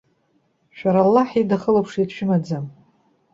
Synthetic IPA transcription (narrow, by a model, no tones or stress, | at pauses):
ʃᶣaɾalːaħidaχəlopʰʂidʃᶣɪmad͡zam